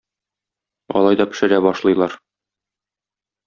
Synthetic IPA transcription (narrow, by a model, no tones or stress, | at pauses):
ɒ̰lˠɑjd̪ɒpɘ̆ʃɘ̆ɾæbɒʃlˠɤ̆jlˠɑɾ